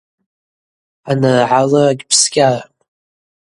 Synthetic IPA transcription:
anɨrʕalaaɡʲpʰsɡʲarapʼ

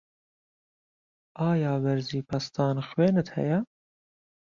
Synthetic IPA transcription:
ʔɑːjɑːbɛɾziːpʰɐst̪ʰɑːnxweːnɨt̪hɛ̰jɛ

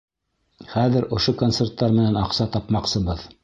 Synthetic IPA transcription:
χæðɘɾŏʃokont̪sert̪ːɑɾmɘ̆nænɑqsɑt̪ɑpmɑqsɤ̆βɤð

